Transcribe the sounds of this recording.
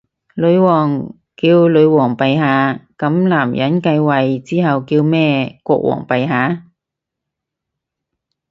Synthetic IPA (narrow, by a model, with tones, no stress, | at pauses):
lɵ˨˧ɥwɔː˨˩ŋ | kiː˧wlɵ˨˧ɥwɔː˨˩ŋpɐ˨jɦaː˨˧kɐ˨˥mlaː˨˩mjɐ˨˥nkɐ˧jwɐ˨jt͡siː˥ɦɐ˨wkiː˧wmɛː˥kʷɔː˧k̚wɔ̰ː˨˩ŋpɐ˨jɦaː˨˥